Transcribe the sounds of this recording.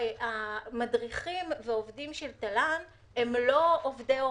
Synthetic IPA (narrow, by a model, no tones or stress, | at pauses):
amadʁiχimveovdimʃelt̪alan | emlo̞ovdeo